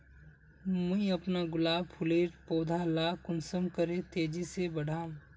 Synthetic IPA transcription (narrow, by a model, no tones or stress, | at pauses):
mɐ̃ĩɐpnaɡʊlaːbpʰʊleːɾpoːd̪ʱalaːkʊnsəmkəɾẽt̪eːd͡ʒisebɐɽ̤ʱaːm